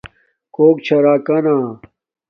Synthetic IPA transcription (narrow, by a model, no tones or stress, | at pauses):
koːk̚t͡ɕʰɐɾaːkɐnaː